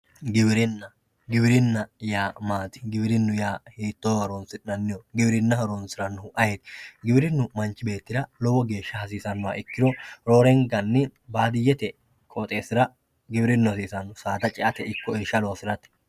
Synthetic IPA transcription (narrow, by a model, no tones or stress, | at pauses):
ɡɪbɪɾɪnːɐ | ɡɪbɪɾɪnːɐjaːmaːt̪ɪ̥ɡɪbɪɾɪnːʊjaːhiːt̪ːoːhɐɾonsɪnɐnːɪjɔɡɪbɪɾɪnːɐhɐɾonsɪɾɐnːʊʊʔɐjet̪ɡɪbɪɾɪnːʊmɐnt͡ʃːɪbe̞ːt̪ːɪd̪ɐlɔwɔɡe̞ːʃːɐhɐs̬iːsɐnːʊwa̰ʔɪkːɪd̪ɔɾoːɾɛŋɡɐnːɪbaːd̪ɪjːɛt̪ɛ | kʼoːt̪ʼe̞ːsɪɾɐ | ɡɪbɪɾɪnːʊhɐsiːsɐnːʊsaːd̪ɐt͡ʃʼɛʔɐt̪ɛɪkːɔeʃɐlowfɪɾɐt̪ɛ̥